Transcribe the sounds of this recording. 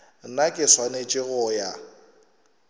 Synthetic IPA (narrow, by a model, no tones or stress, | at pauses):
nakʼɪswanet͡ʃʼɪɣʊja